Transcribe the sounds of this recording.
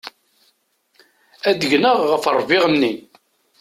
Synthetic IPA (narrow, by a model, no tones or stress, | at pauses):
æd̪əʝnəʁːəfərˤːvɪʁənːin